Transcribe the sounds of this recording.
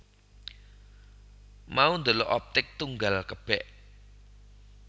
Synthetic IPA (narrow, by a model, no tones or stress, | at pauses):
maund̪oloʔɔp̚t̪ɪk̚t̪uŋɡalkəb̥ɛʔ